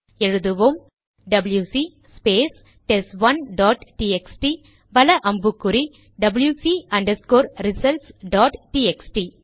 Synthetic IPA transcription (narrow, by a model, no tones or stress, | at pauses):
eɻud̪uʋom | ɖɐbljuːsiː | speːs | ʈesʋɐnɖɔːʈʈiːeksʈi | ʋɐlɐʔɐmbukːuɾi | ɖɐbljusiːɐɳɖɐskoːɾɾisɐlsɖɔːʈʈiːeksʈi